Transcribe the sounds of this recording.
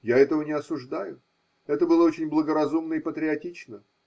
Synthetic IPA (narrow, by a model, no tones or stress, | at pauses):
jaɛt̪əvənʲɪɐsʊʐd̪ajʊ | ɛt̪əbɨlˠəot͡ɕɪnʲblˠəɡəɾɐzumnəipət̪ɾʲɪɐtʲit͡ɕnə